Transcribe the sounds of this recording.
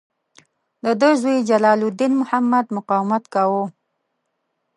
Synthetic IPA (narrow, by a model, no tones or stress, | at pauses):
d̪əd̪əzujid͡ʒalɑlud̪inmʊhamːad̪mʊqɑwmat̪kawo